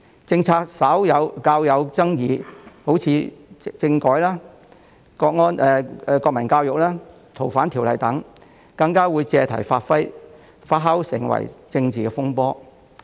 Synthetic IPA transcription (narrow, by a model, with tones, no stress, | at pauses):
t͡sɪ˧ŋt͡sʰaː˧k̚sɐ˨˥wjɐ˨˧wkaː˧wjɐ˨˧wt͡sɐ˥ŋjiː˨˧ho˨˥wt͡sʰiː˨˧t͡sɪ˧ŋkɔː˨˥jlaː˥ | kɔː˧k̚ŋɔː˥nʔɛː˨˧kɔː˧k̚mɐ˨˩nkaː˧wjʊ˨k̚laː˥ | t̪ʰo˨˩wfaː˨˥nt̪ʰiː˨˩wlɐ˨˩jt̪ɐ˨˥ŋ | kɐ˧ŋkaː˥wuː˨˧jt͡sɛː˧t̪ʰɐ˨˩jfaː˧t̚fɐ˥j | faː˧t̚ɦɐ˥wsɪ̰˨˩ŋwɐ̰˨˩jt͡sɪ˧ŋt͡siː˨kɛː˧fʊ˥ŋpɔː˥